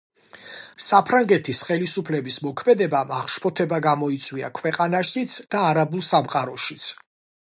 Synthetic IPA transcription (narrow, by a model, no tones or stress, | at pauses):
sapʰɾaŋɡɛt̪ʰisχɛlisupʰlɛbismɔkʰmɛd̪ɛbamaχʃpʰɔt̪ʰɛbaɡamɔit̪sʼwia̰kʰwɛqʼanaʃit̪sʰd̪̥aːɾabulˠsamqʼaɾɔʃit̪sʰ